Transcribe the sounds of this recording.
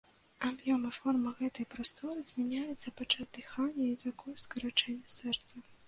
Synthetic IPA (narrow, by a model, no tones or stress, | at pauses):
abjɔmɨfɔrmɨɣɛt̪ɐjpɾast̪ɔɾɨzʲmʲɛnʲajɛt̪sːɐpat͡ʂazd̪ɨxanʲːɐizakɔjskɐɾat͡ʂɛnʲːɐsɛrt̪sɐ